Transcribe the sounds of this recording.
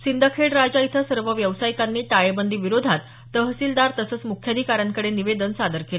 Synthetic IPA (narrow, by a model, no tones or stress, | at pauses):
sind̪ʱakʰeɽɾad͡ʑait̪ʰəsəɾʋəʋjəʋsajikanːiːʈaɭebənd̪ʱiʋiɾod̪ʱat̪ːəɦsiːld̪aɾt̪əsəːt͡smukʰjad̪ʱikaɾjaŋkəɽeniʋed̪ənsad̪əɾkele